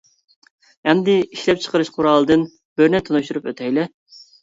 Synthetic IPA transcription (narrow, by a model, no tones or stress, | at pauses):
ɛnd̪ɪiʃlɛp̚t͡ʃʰə̥qəɾɨʃqʰʊɾɑːlˠɨd̪ɨn | b̥øɾnɛt̪ʰonuʃt̪uɾupøt̪ʰɛjlɛ